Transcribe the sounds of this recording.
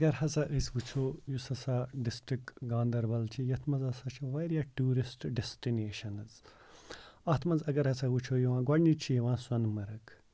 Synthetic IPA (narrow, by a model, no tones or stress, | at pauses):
ɐɡɐɾɦɐt͡saʔəsʲʋut͡ʃʰoːjusɐsaɖisʈɾikɡãːnd̪ɐɾbɐlt͡ʃʰijɐt̪ʰmɐzɐsat͡ʃʰiʋɐjɾijaːʈuːɾisʈɖesʈineːʃɐnɨz | ɐt̪ʰmɐnzɐɡɐɾhɐt͡saʋut͡ʃʰoːjuʋãːɡɐɖnit͡ʃʰijiʋãːswɐnmɐɾɐk